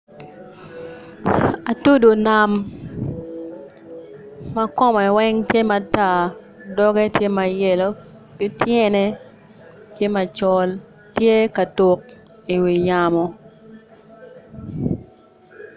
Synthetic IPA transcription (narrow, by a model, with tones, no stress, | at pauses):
a˨tu˦do˨na˨m | a˦kɔ˦mɔ˨i˨wɛ˦ŋtje˦ma˨ta˦˨ | dɔ˦ɡɛ˦tje˦ma˨je˨lo˦ | kɪ˦tjɛ˦nɛ˦ | tje˦ma˨t͡ʃɔ˦l | tje˦ka˨tu˨k̚ | i˨wi˨ɲa˨mɔ˨